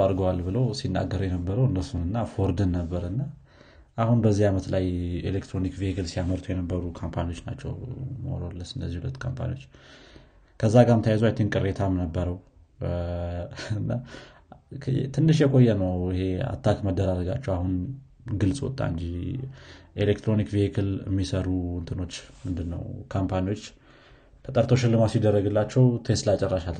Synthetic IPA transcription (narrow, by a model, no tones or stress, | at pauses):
aɾɡəwalbɨləwsinːa̰ɡːəɾjɛnəbːəɾəwɨnːəsunɨnːafoɾd̪ɨnːəbːəɾɨnːa | ʔahunbəzːiamət̪lajḛlekt̪ɾo̞nikvieɡəlsijaməɾt̪ʰujɛnəbːəɾukʰompʰanio̞t͡ʃːna̰t͡ʃːɛ̰wməo̰ɾolːəsɨndəzːihulət̪ːkʰo̰mpʰa̰nḭwo̞t͡ʃː | kʰəzːaɡamt̪ʰajazowajt̪ʰenkʼɨɾːet̪ʰamnəbːəɾəw | ɨnːa | t̪ʰɨnːɨʃjɛkʼo̞jːɛnəwɪhe̞a̰t̪ʰːakməd̪ːəɾaɾəɡa̰t͡ʃːɛwahun | ɡɨlsʼwɔ̰t̪ʼːa̰ɨnd͡ʒi | ʔelekt̪ʰɾo̞nikvihikʰɨlə̰mːisəɾuwɔnt̪ʰɨno̞t͡ʃːmɨnd̪ɨnːə̰wkʰampʰaniwo̞t͡ʃː | t̪ʰət̪ʼəɾt̪ʰoʃɪlːɨmasid̪ːərːəɡɨlːat͡ʃːɛwt̪ʰest̪lat͡ʃʼːɛrːaʃal